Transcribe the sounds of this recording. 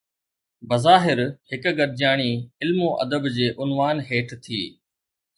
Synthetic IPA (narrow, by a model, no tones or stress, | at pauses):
bɐzaːɦɪɾhɪkɡəɾd͡ʑjaːɽ̃iɪlmõʔɐ̰d̪əbd͡ʑeːʔʊnʋaːnɦeːʈʰt̪ʰḭː